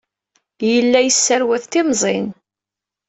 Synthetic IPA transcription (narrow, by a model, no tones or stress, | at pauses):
jəlːæjəsːæɾwæθt̪ɪmzˤḛn